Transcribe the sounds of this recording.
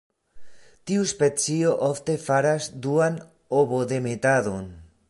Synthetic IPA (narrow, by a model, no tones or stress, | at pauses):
t̪iuspet͡sioʔoft̪efaɾasd̪uan | oβoðemet̪aðon